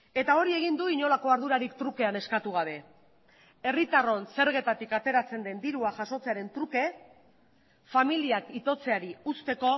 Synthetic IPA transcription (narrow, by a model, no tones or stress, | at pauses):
e̞t̪ao̞ɾie̞ɣ̞ind̪uiɲo̞lako̞aɾð̞uɾaɾikt̪ɾuke̞ane̞skat̪uɣ̞aβ̞e̞ | e̞rit̪aro̞nse̞ɾɣe̞t̪at̪ikat̪e̞ɾat͡se̞nd̪e̞nd̪iɾuaʝaso̞t͡se̞aɾe̞nt̪ɾuke̞ | familiakit̪o̞t͡se̞aɾiust̪e̞ko̞